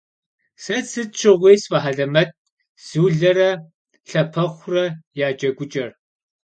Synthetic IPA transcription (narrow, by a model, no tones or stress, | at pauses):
sɐt͡sʰɨt͡ʃʰɨʁʷeːsfɐħaɮɐmɐt̚ | z̥ɨwɮɐrɐ | ɬɐpʰɐχʷrɐjaːd͡ʒʼɐɡʷʊt͡ʃʼɐr